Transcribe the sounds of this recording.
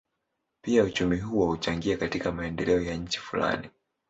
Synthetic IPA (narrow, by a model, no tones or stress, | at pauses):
piaut͡ʃumiɦuwahut͡ʃaŋɡiakatikamaɛndɛlɛɔjaɲ̩t͡ʃi̥fula̰ni